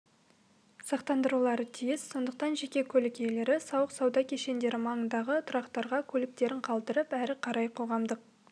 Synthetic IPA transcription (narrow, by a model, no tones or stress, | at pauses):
sɑqt̪ɑnd̪əɾulˠɑɾət̪ʰijɪzso̞nd̪əqt̪ɑnʒe̞kʲe̞kʲʰɵlɪkʲejle̞ɾɪsɑwəqsɑwd̪ɑkʲʰe̞ʃe̞nd̪e̞ɾɪmɑɴənd̪ɑʁət̪ʰʊɾɑqt̪ɑɾʁɑkʲʰɵlɪk̚t̪e̞ɾɪɴqʰɑlˠd̪əɾəpæɾɪqʰɑɾɑjqʰo̞ʁɑmd̪əq̚